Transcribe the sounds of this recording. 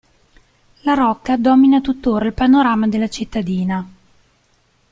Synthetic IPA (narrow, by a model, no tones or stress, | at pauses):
laɾɔkːad̪ɔːminat̪ut̪ːoːɾailpanoɾaːmad̪elːat͡ʃit̪ːad̪iːna